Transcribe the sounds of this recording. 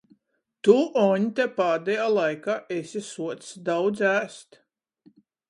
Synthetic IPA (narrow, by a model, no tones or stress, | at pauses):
t̪uʔɔɲʲt̪ʲɛpaːd̪ɛjaːlˠajkaːʔesʲisuɔt̪sd̪awd̪zæːst̪